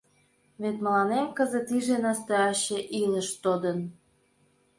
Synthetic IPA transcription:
βet̪məlɑnemkəzət̪iʒenɑst̪øɑɕeʔilə̆ʃt̪od̪ən

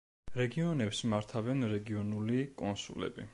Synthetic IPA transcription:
ɾɛɡiɔnɛpsmaɾt̪ʰavɛnɾɛɡiɔnulikʼɔnsṵlɛ̰bḭ

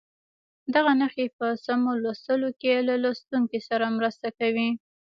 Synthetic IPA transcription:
d̪aɣanəxepəsamolast̪əlokelalast̪uŋkisaɾamɾəst̪akawi

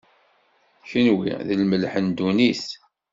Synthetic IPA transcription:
çənwḭðəlməlħənd̪uniθ

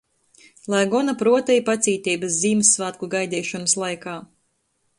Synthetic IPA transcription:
lˠajɡɔnapɾuɔt̪ɛjipat̪siːt̪iːbɐsziːmɨsːvaːt̪̚kuɡajd̪ɛːʃɔnɐslˠajkaː

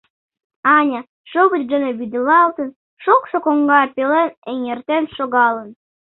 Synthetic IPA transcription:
ɑnʲɑ | ʃoβətʲd̪ə̆neβyd̪əlɑlt̪ə̆n | ʃoksokoŋɡɑrpeleneŋert̪enʃoɣɑlə̆n

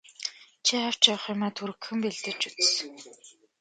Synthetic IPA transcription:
t͡ɕʰiχaw̥t͡ɕɔwχjʊmæːt̪ʰuɾɘ̆kxɘ̆mpeɮt̪ɘ̆t͡ɕut͡ssɵ̥̆ŋ

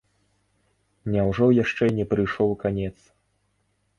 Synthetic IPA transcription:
nʲawʐɔjaʂt͡ʂɛnʲɛpɾɨjʂɔwkanʲɛt̪s

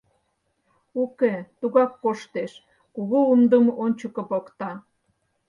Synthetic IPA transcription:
uket̪uɣɑkːoʃt̪eʃ | kuɣoumd̪əmonʲt͡ɕəkəpokt̪ɑ

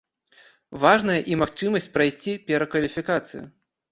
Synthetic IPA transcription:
vaʐnɐjɐʔimaxt͡ʂɨmɐsʲt͡sʲpɾajsʲt͡sʲipʲɛɾɐkvɐlʲifʲikat̪sɨ̰jṵ

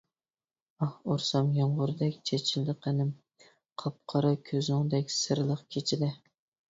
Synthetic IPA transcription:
ɑhoɾsɑmjoɴʁʊɾd̪ɛkʲt͡ʃʰet͡ʃʰɪld̪ɨqʰənɪm | qʰɑp̚qʰɑɾɑkʲʰøzʊŋd̪ɛkʲsɨɾlˠəqkʲʰet͡ʃʰɪd̪ɪ

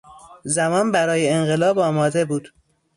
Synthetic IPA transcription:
zæmɒːnbæɾɒːjeeŋɢelɒːbɒːmɒːd̪e̞buːd̪̥

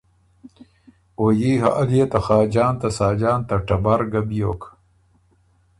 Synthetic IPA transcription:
ojiːɦa̰ʔɐlijet̪ɐxaːd͡ʑaːnt̪asaːd͡ʑaːnt̪ɐʈɐbaɾɡɐbjoːk

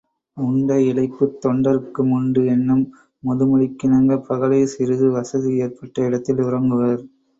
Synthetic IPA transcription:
ʊɳɖɐɪlɐɪpːɯt̪ːɔɳɖɐɾɯkːɯmʊɳɖɯɛnːɯmː | ʊðɯmɐɻɪkːɪnɐŋɡɐpɐɣɐlɐɪsɪɾɯðɯʋɐsɐðieːrpɐʈːɐɪɽɐt̪ːɪlʊrɐŋɡɯʋɐɾ

